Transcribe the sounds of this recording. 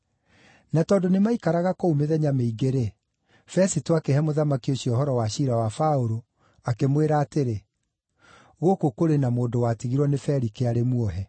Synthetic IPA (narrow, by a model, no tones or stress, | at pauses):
natɔːdonemaikaɾaɣakoumeðɛɲameiɡeɾe | fɛsitoakeɦɛmoðamakioɕiɔɦɔɾɔwaɕiɾawafaoɾo | akemweɾaːteɾe | ɣokokoɾenamoːndowatiɣiɾwɔnefɛɾikeaɾemuɔɦɛ